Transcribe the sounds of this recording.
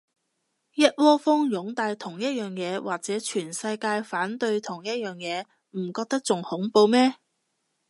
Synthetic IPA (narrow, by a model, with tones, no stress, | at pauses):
jɐ˥t̚wɔː˥fʊː˥ŋjʊ˨˥ŋt̪aː˧jt̪ʰʊ˨˩ŋjɐ˥t̚jœː˨˩ŋjɛː˨˧waː˨˩k̚t͡sɛː˨˥t͡ʃʰyː˨˩nsɐ˧jkaː˧jfaː˨˥nt̪ɵ˧ɥt̪ʰʊ˨˩ŋjɐ˥t̚jœː˨ŋjɛː˨˧ | m̩˨˩kɔː˧k̚t̪ɐ˥k̚t͡sʊ˨ŋhʊ˨˥ŋpo˧wmɛː˥